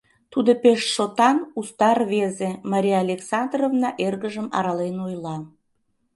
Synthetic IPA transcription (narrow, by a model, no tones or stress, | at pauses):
t̪ud̪opeʃʃot̪ɑnust̪ɑrβezemɑɾʲijɑlʲeksɑnd̪rovnɑʔerɣəʒəmɑ̰ɾɑlenojlɑ